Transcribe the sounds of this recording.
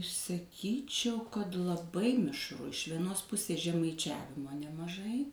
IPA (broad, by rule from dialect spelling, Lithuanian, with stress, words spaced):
sɐˈkʲiːt͡ʃʲɛʊ kɐt lˠɐˈbɐɪ mʲɪʃˈrʊ ɪʃ ʋʲiɛˈnoːs ˈpʊsʲeːs ʒʲɛmɐɪˈt͡ʃʲæːʋʲɪmoː nʲɛmɐˈʒɐɪ